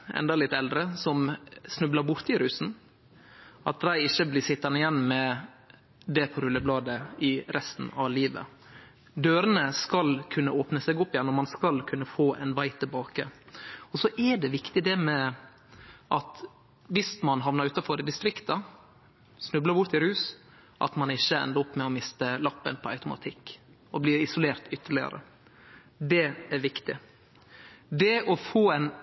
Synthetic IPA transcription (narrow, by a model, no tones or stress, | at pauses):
ɛ̰nd̪ɑlɪt̪ːɛld̪ɾəsɔmsnʉblɑɾbʊɾt̪ɪɾʉːsn̩ | ʔɑ̰t̪̚d̪æɪɪçːəblɪːsɪt̪ːɑnəɪjɛnːmɛ | d̪ɛpʰɔɾʉlːəblɑːd̪əɪɾʔɛst̪n̩ɑ̰ʋliːʋə̰ | d̪øːɾənəskɑlkʰʉnːəoːpnəsɛɡʊpːɪjɛnːɔmɑnskɑlkʰʉnːəfoːʔɛ̰nʋæɪt̪ʰɪlbɑːkə̰ɔsɔʔæɖɛʋɪkt̪ɪd̪ɛmɛ | ʔɑt̪ | ʋɪsmɑnɦɑʋnəɾʉːt̪ɑfɔɾɪd̪ɪst̪ɾɪkt̪ɑ | snʉbləɾbʊɾt̪ɪɾhʉːs | ʔɑ̰t̪mɑnɪçːəɛ̰nd̪əʊpːmɛɔmɪst̪əlɑpːə̰npʰɔɑ̰ʉt̪ʊmɑ̰t̪ʰɪkː | ɔblɪːɾɪsʊleːɾt̪ʏt̪ːəɭɪə̰ɾə̰ | d̪ɛæɾʋɪkt̪ɪ | d̪ɛɔfoːɛɪn